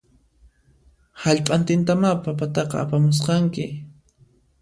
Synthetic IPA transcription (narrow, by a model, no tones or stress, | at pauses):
haʎpʼant̪ɪnt̪amapapat̪ɑqɑ̰apamʊs̬qɑŋkɪ